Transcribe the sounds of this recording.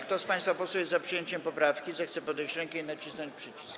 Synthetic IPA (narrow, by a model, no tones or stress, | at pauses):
k̚t̪ɔspaj̃st̪fapɔswɛjɛzzapʂɨjeɲt͡ɕɛmpɔpɾafkʲizɛxt̪sɛpɔd̪ɛjt͡ɕɾɛŋkɛinat͡ɕisnɔ̃ɲt͡ɕpʂɛt͡ɕi̥sk